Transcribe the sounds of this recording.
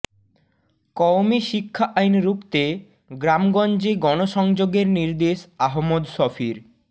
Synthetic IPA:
kɔwmiʃikʰːaʔajnɾukt̪e | ɡɾamɡɔnd͡ʑeɡɔnoʃɔŋd͡ʑoɡeɾniɾd̪eʃaɦmːod̪ʃɔfiɾ

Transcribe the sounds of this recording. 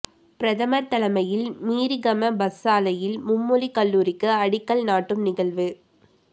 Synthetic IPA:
pɪɾɐðɐmɐɾt̪ːɐlɐmɐjɪlmiːɾiɣɐmɐbɐsːaːlɐjɪlmʊmːʊlikɐlːuːɾɪkːɯɐɽɪkːɐlnaːʈːɯmnɪɣɐɭʋɯ

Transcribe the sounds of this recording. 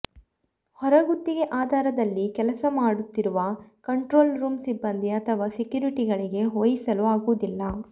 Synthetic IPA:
hɔɾɐɡut̪ːiɡe̞ʔaːd̪ʱaːɾɐd̪ɐlːikɛlɐsɐmaːɽut̪ːiɾuʋɐkɐɳʈɾo̞ːlɾuːmsibːɐnd̪iɐt̪ʰɐʋaːsikjuːɾiʈiɡɐɭiɡe̞ɦoːjisɐluaːɡuʋd̪ilːɐ

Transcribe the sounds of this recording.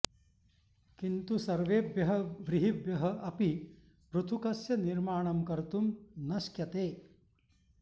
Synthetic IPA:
kint̪usɐɾʋeːbjɐɦɐʋɾiɦibjɐɦɐ̆ʔɐpi | pɾut̪ʰukɐsjɐniɾmaːɳɐmkɐɾt̪umnɐʃkjɐt̪eː

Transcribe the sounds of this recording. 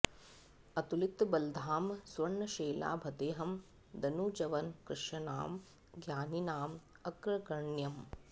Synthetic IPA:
ɐt̪ulit̪bɐld̪ʱaːmsʋɐɳːɐʃeːla̰ːbʱɐd̪eːɦɐm | d̪ɐnuːd͡ʒɐʋɐnkɾɪʂɐna̰ːm | ɡjaːninaːm | ɐkɾɐkɐɳjɐm

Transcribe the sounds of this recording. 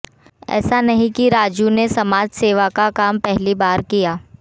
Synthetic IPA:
ɛ̰ːsanɐɦĩkiɾaːd͡ʒunesɐmaːd͡ʒseːʋakakaːmpɛɦlibaːɾkijaː

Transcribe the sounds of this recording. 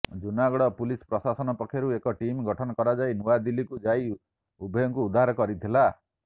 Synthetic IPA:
d͡ʒunaɡɔɽɔpulispɾɔsasɔnɔpɔkʰːjɔɾuekɔʈimɡɔʈʰɔnɔkɔɾad͡ʒajnuwad̪ilikud͡ʒaj | ubʱɔjɔŋkuːd̪ʱaɦɾɔkɔɾit̪ʰila

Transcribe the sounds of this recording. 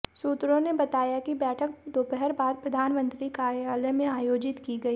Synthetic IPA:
suːt̪ɾõnebɐt̪aːjakibɛːʈʰək̚d̪oːpɛɦɛɾbaːd̪̚pɾɐd̪ʱaːnmə̃nt̪ɾikaːɾjaːlemẽaːjoːd͡ʒɪt̪kiɡɐiː

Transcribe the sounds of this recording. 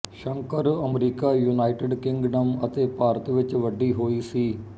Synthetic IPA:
ʃəŋkəɾəmɾiːkaːjuːnaːɪʈɪɖkɪ̃ŋɡɖəmət̪eːpaːɾət̪ʋɪt͡ʃʋəɖiːɦoːiːsiː

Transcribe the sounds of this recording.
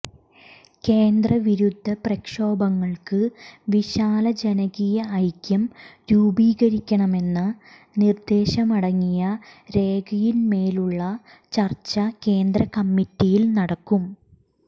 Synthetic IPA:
ke̞ːnd̪ɾɐʋiɾud̪ʱːɐprɐkʂo̞ːbɐŋːɐɭkɨʋiɕaːlɐd͡ʑenɐɣijɐːjkjɐmɾuːbiːɣɐɾikʲːɐɳɐme̞nːɨ | nird̪e̞ːɕɐmɐɽɐŋːijɐɾe̞ːɡɐjinme̞ːluɭːɐ | t͡ɕɐrt͡ɕːɐke̞ːnd̪rɐkɐmːitːijilnɐɽɐkːum

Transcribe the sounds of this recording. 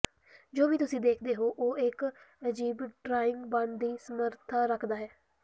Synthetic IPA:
d͡ʒoːʋiːt̪ʊsĩːd̪eːkʰd̪eːɦoːʔoːɪkəd͡ʒiːbɖɾaːɪ̃ŋɡbãɳɖd̪iːsəməɾt̪ʰaːɾəkʰd̪aːɦɛː

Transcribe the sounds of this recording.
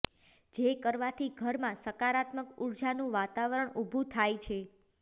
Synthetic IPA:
d͡ʒekəɾʋat̪ʰiɡʱəɾmãsəkaɾat̪məkuɾd͡ʒanũʋat̪aʋəɾəɳubʱũt̪ʰajt͡ʃʰe

